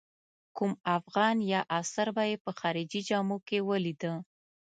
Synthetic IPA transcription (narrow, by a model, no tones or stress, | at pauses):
kumafɣɑnjɑʔasaɾbajepəxɑɾɪd͡ʒid͡ʒɑmukewəlid̪ə